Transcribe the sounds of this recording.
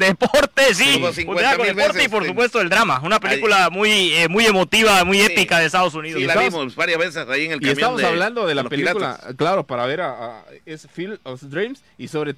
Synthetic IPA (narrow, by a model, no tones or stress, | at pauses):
d̪epoɾt̪es̬isiŋkuweeakoieoɾt̪eipoɾs̬up̬wes̬t̪oeld̪ɾamaunapelikulamujemuje̞mo̞t̪iβamujepikaðest̪aðos̬uniðoslaaβimobaɾjazβesesajieŋelikesmβamosaβland̪oðelapelakula̰klaɾopaɾaβeɾaaesfilofd̪ɾims | isoβɾe